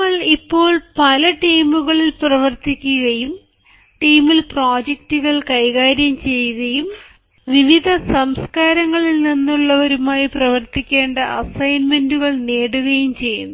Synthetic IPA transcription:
ɐɭipːo̞ːɭpɐlɐʈiːmuɣɐɭilprɐʋɐrt̪ikʲːuɣɐjum | ʈiːmilproːd͡ʑek̚tuɣɐɭkɐjɣaːɾjɐmt͡ɕe̞jːuɣɐjum | ʋiʋid̪ʱɐsɐmskaːɾɐŋːɐɭilninːuɭːɐʋɐɾumaːjiprɐʋɐrt̪ikʲːe̞ːɳɖɐʔɐsɐjnmenduɣɐɭneːɽuɣɐjumt͡ɕe̞jːṵnːu

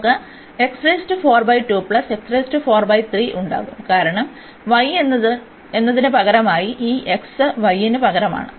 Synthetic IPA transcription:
kːɐ | e̞ksrɐjstɨfo̞ːrbɐjʈːuːpɭɐse̞ksrɐjstɨfo̞ːrbɐjt̪riːʔuɳɖa̰ːɣumkaːɾɐɳɐm | ʋɐjenːɐðɨ | e̞nːɐðinɨpɐɣɐɾɐmaːjiʔiːʔe̞ksɨʋɐjːinɨpɐɣɐɾɐma̰ːɳɨ

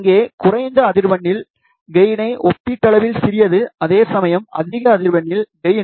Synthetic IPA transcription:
ŋɡeːkʊrɐɪnd̪ɐːðɪɾʋɐɳːɪl | ɡɐjɪnɐɪʔɔpːɪʈ̪ːɐlɐʋɪlsɪɾɪjɐðɯɐðeːsɐmɐjɐmʔɐ̰ðɪɣɐːðɪɾʋɐɳːɪlɡɐjɪ

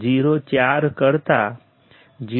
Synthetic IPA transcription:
d͡ʒiːɾot͡ʃjaːɾkəɾt̪a | d͡ʒiː

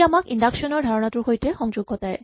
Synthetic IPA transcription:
amakiɳɖakʃonoɾd̪ʱaɾonat̪ɾuɾɦojʈ̪exɔŋd͡ʑoɡːot̪ae

